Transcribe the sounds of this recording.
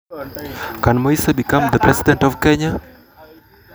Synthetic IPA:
kãnmɔisəbikãmd̪əpɾɛsidɛ̃ntɔfkɛɲa

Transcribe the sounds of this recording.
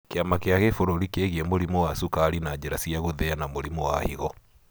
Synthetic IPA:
keamakeaɣefoɾoɾikeɣiɛmoɾimɔwasukaɾinad͡ʒɛɾasiaɣoðɛanamoɾimɔwahiɣɔ

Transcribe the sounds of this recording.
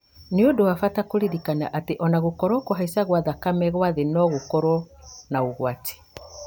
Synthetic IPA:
neodowafatakoɾiɾikanaʔateʔɔnaɣokɔɾɔkoɦaisaɣwaðakamɛɣwaðenɔɣokɔɾɔnaoɣwate̥

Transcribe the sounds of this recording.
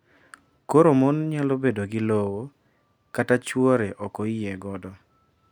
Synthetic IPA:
koɾomonɲalobedoɡɪlowo | katat͡ʃwɔɾeʔɔkɔɪɛɡɔdɔ

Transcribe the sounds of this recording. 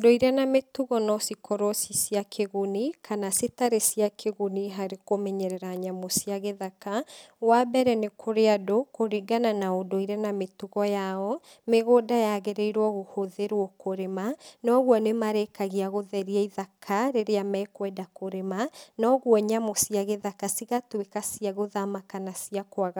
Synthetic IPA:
odoiɾɛnametuɣɔnɔsikʰɔɾɔsisiakʰeɣonikʰanasetaɾesiakʰeɣoniɦaɾekomɛɲɛɾɛɾaɲamosiaɣeðakawabɛɾɛnekʰoɾeadokoɾiɡananaodoiɾɛnametuɣɔjaɔ | meɣodajaɣeɾeiɾwɔɣohoðeɾwɔkoɾemanɔɣwɔnemaɾɛkaɣiaɣoðɛɾiɛiðakʰaɾeɾeamɛːkwɛdakoɾemanɔɣwɔɲamosiaɣeðakasiɣatwekasiaɣoðamakanasiakwaɣa

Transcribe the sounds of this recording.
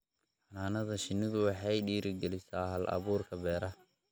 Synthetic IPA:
ħɑnaːnɐðɐʃɪnːɪðʊwɑħɑjɖiːɾɪɡɛlɪsaːɦɐlʔɐ̰βuːrkʰɐbɛːɾɐ

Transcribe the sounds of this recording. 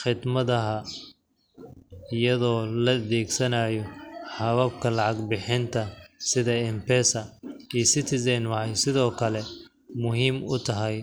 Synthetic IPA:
χɪd̪mɐðɐɦɐ | ɪjɐðɔːlɐðɛːɡsɐnaːjɔħɑβɐbkʰɐlɑʕɑɡbɪħɪnt̪ʰɐsɪðɐɪmpʰɛːsɐiːsɪt̪ʰɪsɛnwɑħɑjsɪðɔːkʰɐlɛ | mʊɦiːmʊt̪ʰɐɦɛj

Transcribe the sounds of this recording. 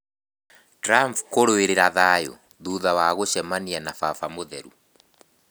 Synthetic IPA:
tɾampkoɾoeɾeɾaðajo̰ | ðuðawaɣoʃɛmanianafafamoðɛɾṵ

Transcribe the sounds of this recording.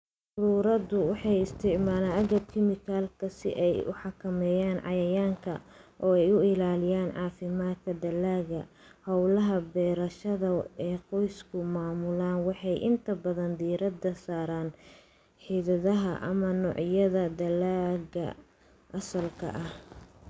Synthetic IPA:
ʊɾuːɾɐd̪ʊwɑħɑjɪst̪ʰɪʕmaːlaːnʔɐɣɐd̪kʰɪmɪkʰalkʰɐsɪ̰ʔɛjʊ̰ħɑkʰɐmɛːjaːnʕɑ̰jɐjaːŋkʰɐ̰ʔɔːɛjʊɪlaːlɪjaːnʕɑːfɪmaːt̪kʰɐd̪ɐlaːɣɐ | hɐwlɐɦɐbɛːɾɐʃɐðɐɛːqɔjskʰʊmaːmʊlaːnwɑħɑjʔɪ̰nt̪ʰɐbɐðɐnd̪iːɾɐd̪ɐsaːɾaːn | ħiːðɐðɐɦɐ̰ʔɐ̰mɐnɔːʕjɐðɐd̪ɐlaːɣɐ̰ | ʔɐsɐlkʰɐ̰ʔɐh

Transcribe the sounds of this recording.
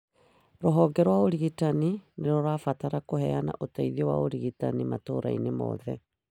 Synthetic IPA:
ɾoɦɔɡɛɾwaoɾiɣitanineɾɔɾaːfataɾakohɛana̰ʔotaiðiowa̰oɾiɣitanimato̰ɾa̰inemɔ̰ːðɛ

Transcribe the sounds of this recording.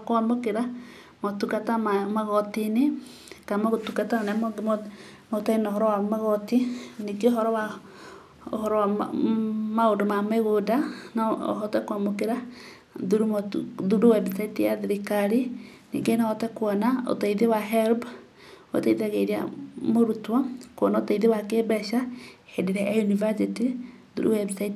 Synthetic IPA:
kwamokeɾa | motukatamamaɣɔtine | kamaɣotukatanɛm | motainoɦɔɾɔwamaɣɔtiniɡeoɦɔɾɔwa | o̰hɔɾɔa | maondomameɣodan̰ɦɔtɛkwamokeɾa | ðuɾumðuɾowɛbsaitijaðiɾikaɾinḭːŋɡenaɔtɛkwɔnao̰taiðewaɦɛlb | o̰teiðaɣeɾia̰moɾutwakwɔnaotaiðewakebɛʃahedeɾɛʔajunivasitiðṵɾṵwɛbsait

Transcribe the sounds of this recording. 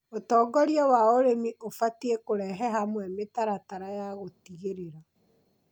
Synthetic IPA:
otɔːɡɔɾjɔwaoɾemiʔofatiekoɾɛɦɛɦamwɛmetaɾataɾajaɣotiɣeɾeɾa

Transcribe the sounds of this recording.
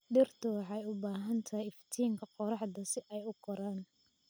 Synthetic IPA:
ɖɪrt̪ʰʊwɑħɑjʊbaːɦɐnt̪ʰɐjɪft̪ʰiːŋkʰɐqɔɾɑħd̪ɐsɪʔɛjʊqɔɾaːn

